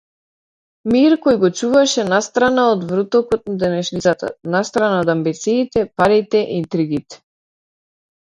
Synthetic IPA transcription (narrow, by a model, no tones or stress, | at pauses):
miɾkɔjɡɔt͡ʃuvaʃɛnast̪ɾanaɔd̪vɾut̪ɔkɔt̪nad̪ɛnɛʃnisat̪a̰nast̪ɾanaod̪ambit̪siːt̪ɛpaɾit̪ɛʔiint̪ɾiɡit̪ɛ̥